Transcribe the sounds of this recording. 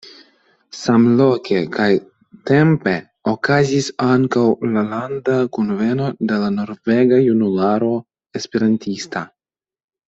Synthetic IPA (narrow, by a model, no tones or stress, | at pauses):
samlokʰe̞kaj | te̞mpe̞ | okazisaŋkawlalandakunve̞no̞de̞lano̞ɾve̞ɡajunulaɾo̞ | espeɾantista